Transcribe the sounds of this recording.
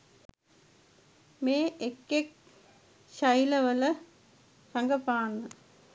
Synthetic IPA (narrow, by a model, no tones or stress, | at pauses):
meːekːek̚ | ʃɐjləʋələ | sɐŋɡəpaːnːə